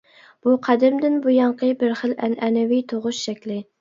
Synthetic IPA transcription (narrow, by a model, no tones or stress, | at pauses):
b̥uqʰæd̪ɪɾmd̪ɪnbujɑɴqʰəbɪɾχəlʔɛnɛnɛwijt̪ʰoʁʊʃʃɛkʲlɪ